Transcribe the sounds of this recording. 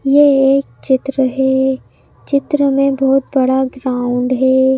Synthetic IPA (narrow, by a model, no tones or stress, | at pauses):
jeeːk̚t͡ʃɪt̪ɾəɦɛː | t͡ʃɪt̪ɾəmẽbɔːt̪̚bɐɽaɡɾaːʊ̃ɳɖɦɛː